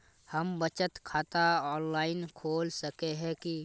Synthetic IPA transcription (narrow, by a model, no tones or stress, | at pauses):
həmbət͡ʃət̪kʰaːt̪aɔːnlaːɪnkʰoːlsəkeɦɛ̃ki